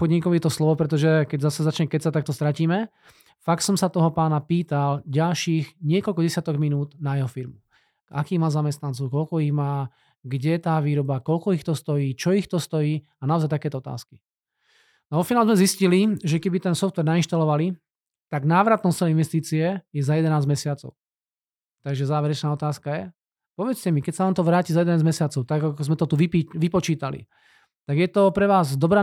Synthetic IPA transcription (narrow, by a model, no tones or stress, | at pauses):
pɔd̪ɲikɔʊjɛt̪ɔslɔʋɔpɾɛt̪ɔʒɛkɛɟzasɛzat͡ʃɲɛkɛcsat̪ak̚t̪ɔst̪ɾaciːmɛ | fak̚t̪sɔmsat̪ɔɦɔpaːnapiːt̪alɟalʃiːɣɲɪɛkɔlkɔɟɛsjat̪ɔɡminuːd̪najɛɦɔfiɾmu | akiːɣmaːzamɛst̪nant͡sɔʊkɔlkɔiɣmaː | ɡɟɛt̪aːʋiːɾɔbakɔlkɔixt̪ɔst̪ɔjiːt͡ʃɔixt̪ɔst̪ɔjiː | anaɔzajt̪akɛːt̪ɔɔt̪a̰ːski̥ | naɔfinaːlɛzmɛzisciliʒɛkɛbit̪ɛnsɔft̪ʋɛɾnainʃt̪alɔʋali | t̪aɡnaːʋɾat̪nɔssɛlɛinʋɛst̪iːt͡siɛjɛzajɛd̪ɛnaːzmɛsɪat͡sɔ̰ʊ | t̪aɡʒɛzaːʋɛɾɛt͡ʃnaːɔt̪aːskajɛ | pɔʋɛt͡scɛmikɛcsaʋaːnt̪ɔʋɾaːciːzajɛd̪ɛnaːzmɛsɪat͡sɔʊt̪aɡakɔzmɛt̪ɔt̪uʋipiʋipɔt͡ʃiːt̪alḭ | t̪aɡjɛt̪ɔpɾɛʋaːzd̪ɔbɾaː